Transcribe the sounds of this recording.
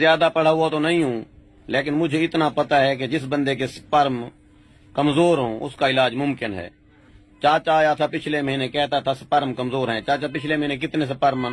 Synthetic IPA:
ɪjaːd̪apəɽ̤aːɦʊat̪onɐɦĩɦũː | leːkɪnmʊd͡ʒʱeɪt̪napɐt̪aɦɛk̬ed͡ʒɪs̬bə̃nd̪ek̬espəɾm | kəmzoːɾɦõːʔʊ̰skaɪlaːd͡ʒmʊmkɪnɦɛ̰ː | t͡ʃaːt͡ʃaːjat̪ʰapɪt͡ʃʰleməɦinekɛɦt̪at̪ʰaspəɾmkəmzoːɾɦɛ̃t͡ʃaːt͡ʃapɪt͡ʃʰleməɦinek̬ɪt̪nes̬epəɾm

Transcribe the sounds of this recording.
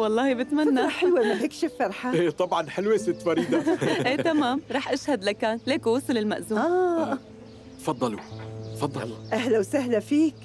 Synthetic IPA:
wɑlˤːɑːhibɪt̪mannːaħɪlwɪmaɪkʃɪfːɑɾˤħaʔeːt̪ˤɑbʕɑnħɪlwesɪt̪ːfɑɾiːd̪ˤɑʔeːt̪amaːmɾˤɑːħʔaʃhad̪lakaːnleːkowʊsˤɨlɪlma̰ʔzuːaː | fɑd̪ˤːɑlufɑd̪ˤːɑʔaɦlawsaɦlafiːk

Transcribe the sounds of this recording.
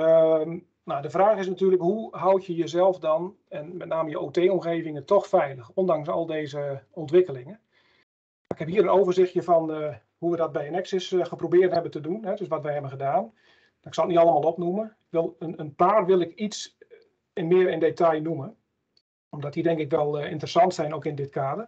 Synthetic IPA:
ə | nawdəvraːxɪsnatyːrləkhuɦawtjəjəzɛlˠfdɔn | ɛnmɛtnaːməjəʔoːteːɔmxeːvɪŋətɔxfɛjləxɔndaŋsɔ̰lˠdeːzəɔntʋɪkəlɪŋən | maːɪkhɛphiːəɾənoːvərzɪxtjəfɔn | huʋədɔt̚bɛjənɛksɪsxəprobɪːrthɛbəntədunɦɛdøsʋɔtʋɛjɦɛbənxədaːn | nɪksɔlˠətnitɑlˠəmaːlˠopnumənkʋɪlˠənənpaːrʋɪlˠɪkits | ɪnmɪəɾɪndetajnumən | ɔmdɔt̚didɛŋkɪkʋɛlˠɪ̰ntərəsɑntsɛjnoːkɪndɪtkʰaːdər

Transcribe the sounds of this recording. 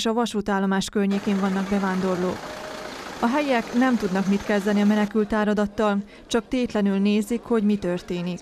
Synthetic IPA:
ʃɒvɒʃut̪aːlːo̞maːʃkørɲeːkeːɱvɒnːɒɡbɛvaːnd̪o̞rlo̰ːk | ɒɦɛjɛknɛmt̪ud̪nɒkmit̪kɛzd̪ɛniɒmɛnɛkylt̪aːɾɒd̪ɒt̪ːɒl | t͡ʃɒk̚t̪eːt̪lɛnylneːzikho̞ɟmit̪ørt̪eːnik

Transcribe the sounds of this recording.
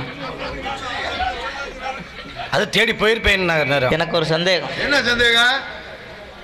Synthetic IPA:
ɐðɯt̪eːɽipoːjɪɾɯpːeːjɪnːɯnaːɡɐnɐːɾɐ̰̃ɛnɐkːɯɔɾɯsɐnd̪eːɣɐ̃ɛnːɐsɐnd̪eːɣɐ̃

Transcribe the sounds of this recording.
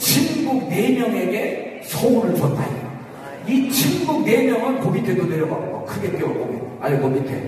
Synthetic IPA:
t͡ɕʰinɡuɡ̚ne̞mjʌŋe̞ɡe̞ | sʰʌuɾɯɭpʌtʰaɲi | it͡ɕʰimɡuɡ̚ne̞mjʌŋɯnkobitʰedoneɾjʌɡʌʌkʰɯɡe̞k͈eʌk͈omi | aɲiɡomitʰe

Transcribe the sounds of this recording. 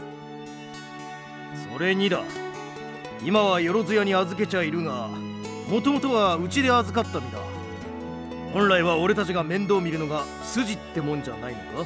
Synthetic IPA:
so̞̰ɾe̞ɲ̟id̪a̰ | imaβ̞ajo̞ɾo̞zɨjaɲ̟iazɨk̬e̞t͡ɕaiɾɯ̟ŋa | mo̞t̪o̞mo̞t̪o̞ɡaɯ̟t͡ɕid̪e̞azɨkat̪ːamʲid̪a̰ | hõ̞ñɾaiβao̞ɾe̞t̪at͡ɕiɡamẽ̞nd̪o̞ːmʲiɾɯ̟no̞ɡa | sɨʑit̪ːe̞mõ̞ɲ̟d͡ʑanainoɡ̪a

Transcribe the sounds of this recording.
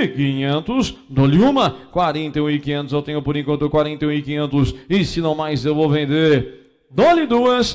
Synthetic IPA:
kĩɲẽnt̪ʊsd̪oliũmɐkwaɾẽnt̪eũɪkĩɲẽnt̪ʊzewt̪ẽɲʊpoɾẽŋkõnt̪ɾʊkwaɾẽnt̪eũɪkĩɲẽnt̪ʊsɪsɪnɐ̃w̃majzewvowvẽnd̪eɾ | d̪olɪd̪uɐs

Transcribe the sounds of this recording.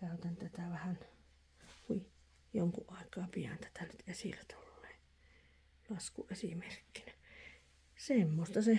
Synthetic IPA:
kæˑyt̪ænt̪æt̪æʋæhæn | kuj | joŋkuʔʔɑˑekˑɑːpiæ̰nt̪æ̥t̪ænyt̪esḭlæt̪ʰulːeː | lɑskuʔesimerkːinæ | semːost̪ɑse

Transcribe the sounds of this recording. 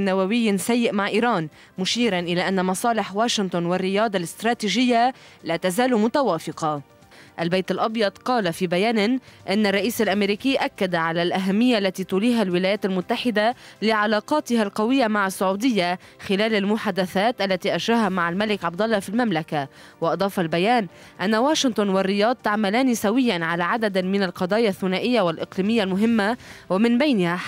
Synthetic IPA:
nːawawɪjːsajːɪʔmaʕʔiːɾɑːn | mʊʃiːɾanʔɪlaʔanːamɑsˤɑːlɪħwaːʃɪnt̪ʊnwɪrːɪjɑːd̪ˤɑlɪst̪ɾˤɑːt̪iːʒɪjːalaːt̪azaːlmʊt̪awaːfɪqɑ | ʔalbejt̪ɪlʔɑbjɑd̪qɑːlafiːbajaːnɪʔɪnːarˤːɑʔiːsalʔameɾiːkɪːʔakːad̪aʕalalʔaɦamːɪjːaʔlːat̪it̪ʊliːɦalwɪlaːjaːt̪almʊt̪ːaħɪd̪alɪʕalɑːqɑːt̪ɪɦalqɑwɪjːamaʕasːʊʕuːd̪ɪjːa | xɪlaːlalmʊħaːd̪aθaːt̪ʔalːat̪iʔaʃɾaːɦamaʕalmalɪkʕɑb̚d̪ɑlˤːɑfilmamlaka | wɑʔɑd̪ˤɑːfɑlbajaːn | ʔanːawaːʃɪnt̪ˤʊnwarːɪjɑːd̪̚ˤt̪aʕmalaːnisawɪjːanʕalaʕad̪ad̪mɪnalqɑd̪ˤɑːjaθːʊnaːʔɪjːawalʔɪqliːmɪjːalmʊɦɪmːa | wamɪnbajnɪha

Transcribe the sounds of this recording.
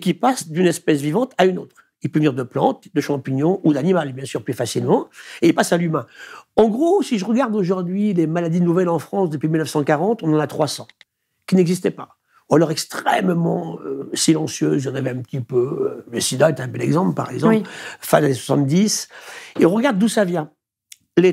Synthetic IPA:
kʲipasd̪ynɛspɛs̬vivɑ̃t̪ʰaynot̪χ | ilpøvəniʁd̪əplɑ̰̃t̪d̪əʃɑ̃piɲjɔ̃ʔud̪animalbjɛ̃syʁplyfasilmɑ̃eilpasalymɛ̃ɑ̃ɡʁosiʒəʁəɡaʁd̪oʒuʁd̪ɥilemalad̪inuvɛlɑ̃fχɑ̃sd̪əpɥimilnəfsɑ̃kaʁɑ̃t̪ɔ̃nɑ̃nat̪χwasɑ̰̃ | kʲinɛɡzist̪ɛpa | ualɔʁɛkst̪χɛmmɑ̃øsilɑ̃sjø̰ziɑ̃navɛɛ̃pət̪ipøləsid̪aet̪ɛɛ̃bɛlɛɡzɑ̃plpa̰ʁɛ̰ɡzɑ̃pfɛ̃laneswḁsɑ̃t̪̚d̪isil̃ʁəɡaʁd̪ːusavjɛ̃ | le

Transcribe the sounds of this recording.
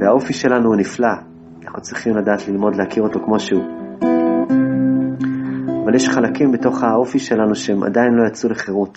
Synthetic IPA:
veao̞fiʃe̞lanuːnifla | anaχnut͡sʁiχimladaːtlilmo̞dleakiʁo̞to̞kmo̞ʃeu | avaljeʃχalakimbeto̞χhao̞fiʃe̞lanuʃeemʔa̰dainlo̞jat͡suleχe̞ʁut

